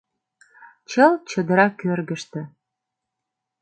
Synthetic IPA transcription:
t͡ɕəlt͡ɕəd̪əɾɑkːørɣə̆ʃt̪ĕ

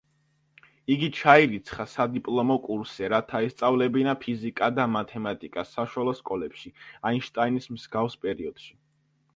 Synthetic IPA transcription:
iɡit͡ʃʰaiɾit̪sʰχasad̪ipʼlˠɔmɔkʼuɾsɛɾat̪ʰaɛst̪sʼavlɛbinapʰizikʼad̪amat̪ʰɛmat̪ʼikʼasːaʃwalˠɔskʼɔlɛpʃiainʃt̪ʼainismz̥ɡafspʼɛɾiɔd̪̥ʃi̥

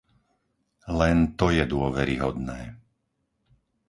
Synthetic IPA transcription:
lɛnt̪ɔjɛd̪ʊɔʋɛɾḭɦɔd̪nɛː

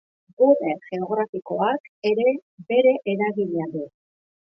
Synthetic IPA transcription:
ɡureɣe̞o̞ɣɾafiko̞ake̞ɾe̞be̞ɾe̞ʔeɾaɣiɲaðu

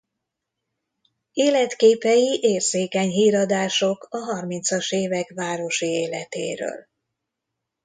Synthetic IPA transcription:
eːlɛt̪keːpɛjiʔeːrzeːkɛɲɦiːɾɒd̪aːʃokɒɦɒrmint̪sɒʃeːvɛkvaːɾo̞ʃieːlɛ̰t̪ḛːɾø̰ːl

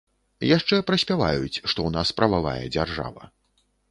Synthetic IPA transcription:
jaʂt͡ʂɛpɾɐsʲpʲavajut͡sʲʂt̪ɔwnaspɾɐvava̰jɛ̰d͡zʲarʐa̰vɐ

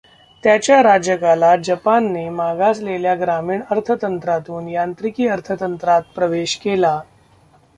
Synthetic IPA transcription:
t̪jat͡ɕjaɾad͡ʑjəkalad͡ʑəpanːemaɡasleljaɡɾamiːɳəɾt̪ʰət̪ənt̪ɾat̪uːnjant̪ɾikiːəɾt̪ʰət̪ənt̪ɾat̪̚pɾəʋeɕkela

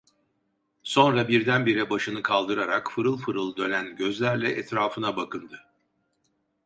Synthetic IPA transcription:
so̞nɾabiɾd̪ænbiɾɛbaʃɯnɯkʰalˠd̪ɯɾaɾakfɯɾɯlˠfɯɾɯlˠɯd̪ø̞nʲænɟø̞zlʲæɾlʲɛʔɛt̪ɾaːfɯnabakɯnd̪ɯ

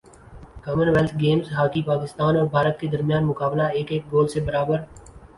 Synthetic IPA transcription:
kɔːmənʋɛlt̪ʰɡeːmzɦaːkipaːkɪst̪aːnɔːɾbʱaːɾət̪̚ked̪əɾmjaːnmʊkaːblaeːkeːk̚ɡoːlsebəɾaːbəɾ

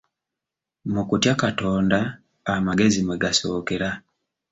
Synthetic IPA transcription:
mukutjakatoːndaː | maɡe̞zimweɡasokeɾa

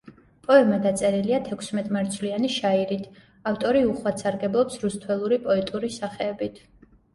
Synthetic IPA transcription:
pʼɔɛmad̪at̪sʼɛɾiliat̪ʰɛkʰsmɛt̪ʼmaɾt̪sʰvlianiʃaiɾit̪ʰ | aft̪ʼɔɾiuχwat̪sʰaɾɡɛblˠɔpsɾust̪ʰwɛlˠuɾipʼɔɛt̪ʼuɾisaχɛːbit̪ʰ

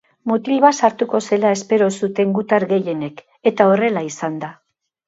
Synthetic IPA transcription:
mut̪ilβasaɾt̪uko̞se̞lae̞spe̞ɾo̞sut̪e̞ŋɡut̪aɾɣe̞je̞ne̞k | e̞t̪ao̞re̞laisand̪a

